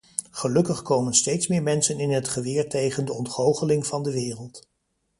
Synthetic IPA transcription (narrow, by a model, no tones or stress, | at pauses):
χəlɵkəχkowmənstejtsmɪːɹmɛnsənɪnɦətχəʋɪːɹtejχəndəɔntχowχəlɪŋvɑndəʋɪːrəlˠt